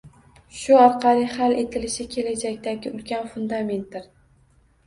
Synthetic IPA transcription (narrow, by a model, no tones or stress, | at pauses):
ʃʊɒɾqʰɑlɪhale̞t̪ʰɪlɪʃɪkʲʰe̞lad͡ʒakʲt̪aɡʲɪʊlkʲʰanfʊnd̪ame̞nt̪̚d̪ɪɾ